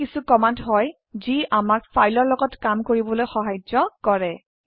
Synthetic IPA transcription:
kisukɔmantɦɔj | ziʔamaɹfʰajlɔɹlɔɡɔtkamkoɹibɔlojxɔɦajd͡ʒɔkɔɹɛ

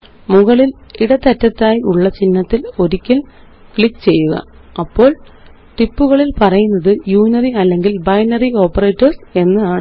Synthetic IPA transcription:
muɣɐɭiliɽɐt̪ɐtːɐt̪ːaːjiʔuɭːɐt͡ɕinːɐt̪ːilo̞ɾikʲːɐl | kɭikːt͡ɕe̞jːuɣɐ̰ | ɐpːo̞ːɭ | ʈipːuɣɐɭilpɐrɐjunːɐðɨjuːnɐriɐlːe̞ŋɡilbɐjnɐrio̞ːpːɐreːtːɐrse̞nːɨðaːɳ

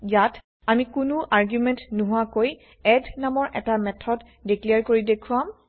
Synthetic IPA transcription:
jat | amikʊnʊʔaɹɡjumɛntnuɦʊakoj | ɛdnamɔɹʔɛtamɛtʰɔd | dikliaɹkoɹidekʰuam

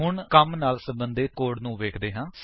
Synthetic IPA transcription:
ɦʊɳkəmnaːlsəbənd̪eːkoːɽnũːʋeːkʰd̪eːɦãː

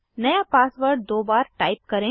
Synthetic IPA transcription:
nɐjapaːsʋəɾɖ̚d̪oːbaːɾʈaːɪp̚kɐɾẽ

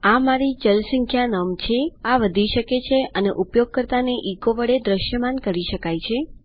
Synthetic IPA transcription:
amaɾid͡ʒəlsə̃ŋkʰjanəmt͡ʃʰeaʋəd̪ʱiʃəket͡ʃʰeʔəneʔupjoɡ̚kəɾt̪aneʔikoʋəɽed̪ɾəʃjəmankəɾiʃəkajt͡ʃʰe

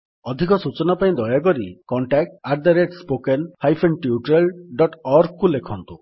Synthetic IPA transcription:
ɔd̪ʱikɔsut͡ʃɔnapaĩd̪ɔjakɔɾikɔɳʈak̚ʈaɾd̪aɾeʈspokenhajpʰenʈiuʈɾelɖɔʈɔɾɡ̚kulekʰɔnt̪u

